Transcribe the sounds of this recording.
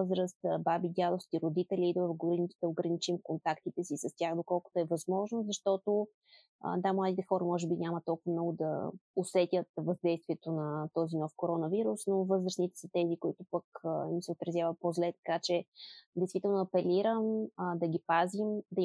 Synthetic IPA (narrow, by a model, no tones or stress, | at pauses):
zɾəst̪babid̪ʲad̪ˠofsk̪ʲiɾʊd̪it̪ɛlʲiːd̪əɡnit̪d̪ɐoɡɾənit͡ʃimkont̪akt̪it̪ɛsisɐst̪ʲjaxd̪okɔlˠkʊ̥t̪ʊɛvɐzmɔʒnozɐʃt̪ɔt̪o | ə̰d̪amlˠad̪it̪ɛxɔɾəmɔʒɛbiɲʲamət̪ːɔlˠkʊvɐmnɔɡʊd̪ɐ̰osɛt̪ʲət̪̚vɐzd̪ɛjst̪viɛt̪onɐt̪ɔzinɔfkoɾɔnəviɾusnovɤzɾəsnit̪ɛ̥sət̪ɛzikʊit̪ʊpəkənisɛot̪ɾɐzʲjavəpozlɛt̪ɐ̥kat͡ʃɛd̪ɛɪjst̪vit̪ɛlˠnʊɐpɛliɾəməd̪ɐɡʲipazimd̪ɐi